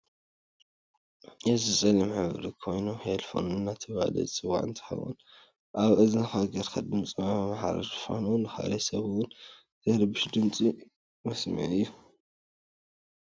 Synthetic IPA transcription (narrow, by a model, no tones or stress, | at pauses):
jɛzɨsʼɐlɐmħɨβɾikʰo̞jnuhelfo̰nɨnːat̪ʰɨβa̰lɐ̰t͡sʼɨwa̰ʕɨ̰nt̪ʰħɐ̰wṵn | ʔaβʔɨzɨnɨxaɡɐɾkʰɐd̪ɨmt͡sʼɨmammaħaɾ̰ɾfo̰nunɨxa̰lɐsɐβɨwʊn | t̪ʰɐɾɨbɨʃd̪ɨmt͡sʼi | mɐsmɨ̰ʕɨjːu